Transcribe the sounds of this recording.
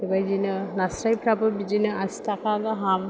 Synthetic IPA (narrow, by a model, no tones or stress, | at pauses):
dibajzinɯnasɾajpʰɾapɯbid͡ʒinɯasi̥tʰakaɡɔɦam